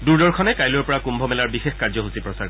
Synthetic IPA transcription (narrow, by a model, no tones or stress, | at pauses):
duɹdɔɹkʰɔnɛkajljɔɹpɔɹakumbʱɔmɛlaɹbixexkaɹzɔɦusipɹɔsaɹ